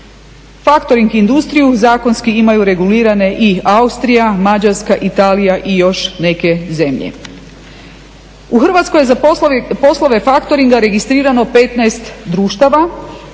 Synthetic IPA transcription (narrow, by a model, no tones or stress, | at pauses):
fakt̪oɾiŋɡind̪ust̪ɾijuzaːko̞nskiimajuɾe̞ɡuliːɾane̞ʔiaust̪ɾijamad͡ʑaɾskaʔit̪aːlijaʔijo̞ʃne̞ke̞ze̞mʎḛ | uxr̩ʋat̪skojezapo̞slˠoʋe̞fakt̪o̞ɾiŋɡaɾe̞ɡist̪ɾiːɾano̞pet̪nɛjst̪d̪ɾuːʃt̪aʋa